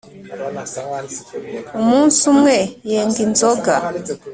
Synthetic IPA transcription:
umunsumwɛjɛŋɡinzɔɡa

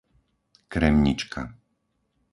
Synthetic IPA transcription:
kɾɛmɲḭt͡ʃkʰa̰

